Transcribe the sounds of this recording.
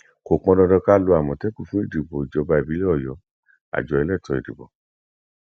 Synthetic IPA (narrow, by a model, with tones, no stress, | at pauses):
ko˨k͡pɔ̃˧dɔ̃˧dɔ˧ka˦lo˧a˨mɔ̃˨tɛ˦ku˦˨fũ˨˦i˦˨di˨bɔ˨i˨d͡ʒɔ˨˧ba˧i˨bi˨˦le˦ɔ˦˨jɔ˨ | a̰˨d͡ʒɔ˨˧ɛ˧lɛ˦˨tɔ˧ḭ˨dḭ˨bɔ̰˨